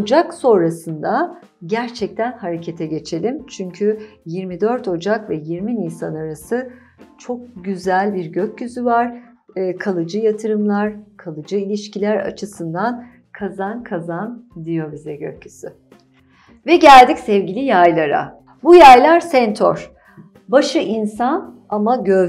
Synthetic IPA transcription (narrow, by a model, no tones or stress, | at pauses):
od͡ʒakso̞nɾasɯnd̪a | ɟæɾt͡ʃʰɛc̚t̪ʰænhaɾe̞cʰe̞t̪ʰɛɟe̞t͡ʃʰe̞lʲimt͡ʃʰyɲcʰyjiɾmid̪ø̞ɾt̪ʰo̞d͡ʒakvɛjiɾminijsanaɾasɯ | t͡ʃʰo̞k̚ɟyzælʲbiɾɟøcːyzyvaɾ̥ | kʰalˠɯd͡ʒɯjat̪ʰɯɾɯmlˠaɾkʰalˠɯd͡ʒɯilʲiʃcilʲæɾa̰t͡ʃʰɯsɯnd̪an | kʰazankʰazand̪ijo̞bizɛɟø̰cːysy | vɛɟælʲd̪icsɛvɟilʲijajlˠaɾa̰ | bujajlˠaɾsɛnt̪ʰo̰ɾ̥ | baʃɯʔinsan | amaɟø